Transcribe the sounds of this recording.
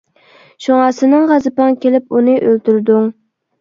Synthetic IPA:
ʃoŋɑsɨnɨŋʁɑzɨpɑŋkʲʰelɪpunɨʔølt̪yɾd̪uŋ

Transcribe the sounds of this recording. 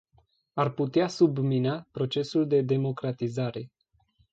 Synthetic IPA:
arput̪easubminapɾo̞t͡ʃe̞suld̪e̞d̪e̞mo̞kɾat̪izaɾe̞

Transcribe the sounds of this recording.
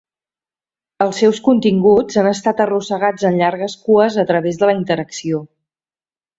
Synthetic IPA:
əlˠsɛwskunt̪iŋɡud͡zanəst̪at̪ərusəɣ̞ad͡zənʎaɾɣəskuəzət̪ɾəβezðələint̪əɾəksio

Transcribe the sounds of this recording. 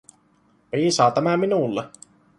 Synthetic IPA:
ʋiːsɑːt̪æmæminulːe

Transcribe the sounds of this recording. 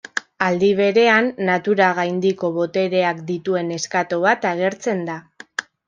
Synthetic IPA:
ald̪iβ̞e̞ɾe̞anːat̪uɾaɣ̞ajnd̪iko̞βo̞t̪e̞ɾe̞akd̪it̪ue̞ne̞skat̪o̞β̞at̪aɣ̞e̞ɾt͡se̞nd̪a

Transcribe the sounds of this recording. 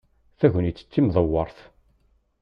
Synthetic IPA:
θæʝənjit͡sːə̥t͡sːimðˤəwːɑɾˤθ

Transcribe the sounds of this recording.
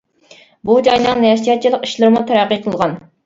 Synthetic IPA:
bud͡ʒɑjnɨŋnɛsjɛt̪̚t͡ʃʰilˠəqi̥ʃlˠɨɾmut̪ʰæɾæqːijqʰəlˠʁɑn

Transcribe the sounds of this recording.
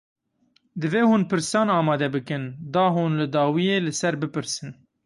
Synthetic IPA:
d̪ɨveːhuːnpɨɾsɑːnɑːmɑːd̪ɛbɨkɨnd̪ɑːɦuːnlɨd̪ɑːwijeːlɨsɛɾbɨpɨɾsɨn

